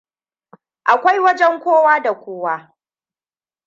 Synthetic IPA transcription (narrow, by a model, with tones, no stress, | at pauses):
ʔa˨kʷa˦jwɐ˦d͡ʒɛ˦ŋkʷoː˦waː˦da˨kʷoː˦waː˦